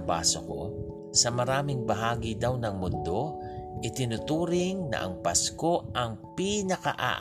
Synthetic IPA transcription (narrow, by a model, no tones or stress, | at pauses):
ba̰ːsoko̞̰ | sɐmɐɾaːmɪŋbɐɦaːɡid̪awnɐŋmʊnd̪o̞ | ʔɪt̪ɪnʊt̪uːɾɪŋnɐ̰ʔɐ̰ŋpɐsko̞ʔɐŋpiːnɐkɐʔa̰ʔ